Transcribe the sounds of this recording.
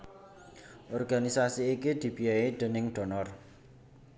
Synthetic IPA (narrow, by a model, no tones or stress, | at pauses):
ʔɔrɡanisasiːkid̪̥i̤b̥i̤aed̪̥ə̤nɪŋd̪̥ɔ̤nɔr